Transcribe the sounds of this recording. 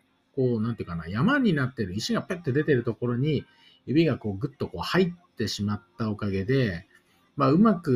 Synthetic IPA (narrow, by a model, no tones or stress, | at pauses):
ko̞ːnãnt̪eiɯ̟kana̰jamaɲ̟inat̪ːe̞ɾɯ̟iɕiɡapet̪ːe̞d̪e̞t̪e̞ɾɯ̟t̪o̞ko̞ɾo̞ɲ̟i | jɯ̟bʲiɡako̞ːɡɯ̟t̪ːo̞ko̞ːhaitt̪ːe̞ɕimat̪ːao̞kaɡe̞d̪e̞ | maɯ̟makɯ̟